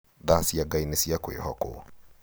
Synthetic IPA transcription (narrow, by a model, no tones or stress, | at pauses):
ðasiaɡainesiakwḛhɔkʊ̰